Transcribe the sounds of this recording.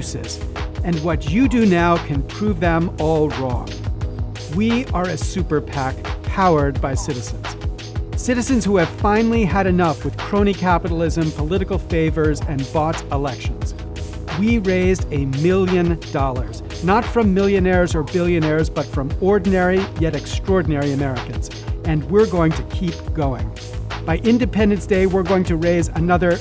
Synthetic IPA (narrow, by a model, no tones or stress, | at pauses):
sɨ̰sɨ̃nwʌt͡ʃɨdɨnaʊkʰɨ̃npʰɹ̥uvðə̃mɔlˠɹɔ̰̃ŋ | wiə˞ɨsʉpə˞pʰækʰaʊə˞d̚baɪsɪɾɨzɨ̃nz̥ | sɪɾɨzɨ̃nz̥huɨv̥fãɪ̃nl̩ˠiɨɾɨnʌfwɨð̥kʰɹ̥õʊ̃ñikʰæpəɾl̩ˠɪzɨ̃mpʰəlɪɾɨkl̩ˠfeɪvə˞zɨ̃nbɔtəlɛkʃɨ̃nz̥ | wiɹeɪzdɨmɪlˠjɨ̃nd̥ɔlˠə˞z | nətfɹʌ̃mːɪlˠjɨnɛɹzə˞bɪlˠjɨnɛɹzbʌtfɹʌ̃mɔɹdⁿn̩ɛɹijɛɾɨkstɹ̥ɔɹdⁿn̩ɛɹiɨmɛɹɨkɨ̃nz | ɨ̃nwɪɹɡoʊɪ̃ŋtʰɨkʰip̚ɡ̥oʊɪ̰̃ŋ | b̥aɪʔɪ̃ndɨpʰɛ̃ndɨ̃nsd̥eɪwɪɹɡoʊɪ̃ŋtʰɨɹeɪzɨnʌðə˞